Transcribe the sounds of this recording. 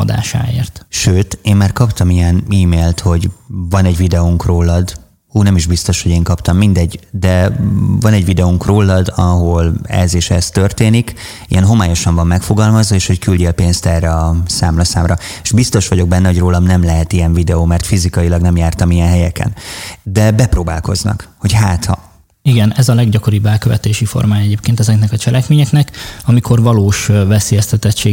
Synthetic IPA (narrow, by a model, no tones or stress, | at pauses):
d̪a̰ːʃa̰ːḛːrt̪ʃøːt̪eːmːaːrkɒpt̪ɒmijɛniːmeːlt̪ho̞ɟvɒnɛɟvid̪ɛuŋkroːlːɒd̪ | uːnɛmiʒbist̪o̞ʃho̞ɟeːŋkɒpt̪ɒmːind̪ɛɟːd̪ɛvɒnɛɟvid̪ɛuŋkroːlːɒd̪ɒɦo̞lɛ̰zeːʃɛst̪ørt̪eːnik | ḭjɛnɦo̞maːjo̞ʃɒɱvɒmːɛkfo̞ɡɒlmɒzʋɒeːʃho̞ckylɟɛlpeːnst̪ɛrːɛɒsa̰ːmlɒsa̰ːmrɒe̥ʒbist̪o̞ʃʋɒɟo̞ɡ̚bɛnːɛɦo̞ɟroːlɒmnɛmlɛɦɛt̪ijɛɱvid̪ɛoːmɛrt̪fizikɒjilɒɡnɛmjaːrt̪ɒmijɛnɦɛjɛkɛ̰nd̪ɛbɛproːba̰ːlko̞̰znɒ̰kho̞chaːt̪hɒ̰ | iɡɛnɛzɒlɛɡɟɒko̞ɾibːɛlkøvɛt̪eːʃifo̞̰rmaːjɛɟeːpkeːnt̪ɛzɛknɛkɒt͡ʃɛlʔɛkmeːɲɛknɛkɒmikʰo̞rvɒloːʃvɛseːjɛst̪ɛt̪ɛtt͡ʃːeː